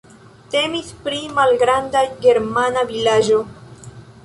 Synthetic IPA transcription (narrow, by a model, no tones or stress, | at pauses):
te̞mispɾimalɡɾandaɡe̞ɾmanavilaʒo̞